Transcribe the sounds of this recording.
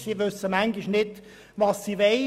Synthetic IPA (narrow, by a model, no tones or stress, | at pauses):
siʋøsəmæŋɡiʃnɪd | ʋɑsːiːʋe